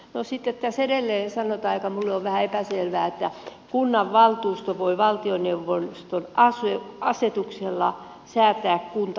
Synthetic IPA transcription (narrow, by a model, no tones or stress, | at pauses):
nosit̪ːet̪t̪æsedelːeːnsɑnot̪ɑikɑmulːeoʋʋæhæepæselʋæːet̪ːæ | kunːɑʋʋɑlt̪uːst̪oʋoiʋɑlt̪ioneuʋonst̪onɑseɑset̪ukselːɑ | sæːt̪ˑæːkkunt̪